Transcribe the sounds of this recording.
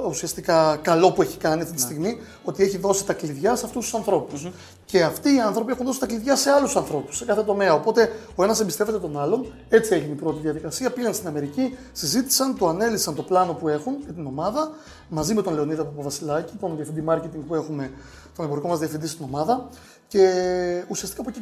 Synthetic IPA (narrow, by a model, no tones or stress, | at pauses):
usiɐst̪ikɐkɐlo̞pue̞çi̥kɐniɐft̪it̪ist̪iɣmi | o̞t̪ie̞çiðo̞si̥t̪ɐkliðʝɐseɐft̪ust̪u̥sɐnθɾo̞pus | ce̞ɐft̪iːɐnθɾo̞pie̞xunðo̞sit̪ɐkliðʝɐse̞ɐlusɐnθɾo̞pu̥sːe̞kɐθe̞t̪o̞me̞ɐo̞po̞t̪e̞o̞e̞nɐsembist̪e̞ve̞t̪e̞t̪o̞nɐlo̞n | e̞t͡sieʝinipɾo̞t̪iðiɐðikɐsiɐpiɣɐnst̪inɐme̞ɾici | sizit̪i̥sɐnt̪o̞ɐne̞liksɐnt̪o̞plɐno̞pue̞xunjɐt̪ino̞mɐðɐ | mɐzime̞t̪onle̞o̞niðoɐpopovɐsilɐcit̪o̞nðiɐfind̪imɐɾce̞t̪iŋɡ̚pue̞xume̞ | t̪o̞nebo̞ɾiko̞mɐzðiɐfind̪ist̪ino̞mɐðɐ | ce̞usiɐst̪i̥kaɐpoci